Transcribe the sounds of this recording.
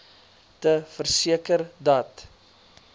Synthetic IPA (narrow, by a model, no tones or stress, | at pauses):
təfərsiəkərdɐt